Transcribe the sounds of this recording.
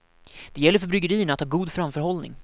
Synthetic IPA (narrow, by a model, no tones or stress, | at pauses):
d̪̥ɛjɛlːəɾfœɾbɾʏɡəɾiːəɳat̪hɑːɡuːd̪fɾamfœɾɦɔlnɪ̰ŋ